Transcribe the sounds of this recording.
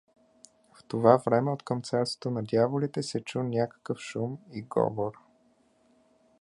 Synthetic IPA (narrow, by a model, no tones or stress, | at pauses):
ft̪ovavɾɛmɛot̪kəmt̪sɛɾtso̥t̪onɐd̪javolit̪ɛsɛt͡ʃunʲakə̥kəfʃumiɡɔ̰voɾ